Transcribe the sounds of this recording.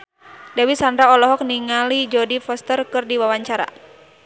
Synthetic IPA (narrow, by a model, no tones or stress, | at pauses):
dawisandɾaɔlɔɦɔk̚niŋalid͡ʒɔdifɔst̪ərkɨrdiwawaɲt͡ʃaɾa̰